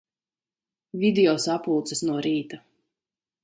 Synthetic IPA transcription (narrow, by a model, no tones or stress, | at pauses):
vʲid̪iɔsapulˠt̪sɛsnuɔɾiːt̪a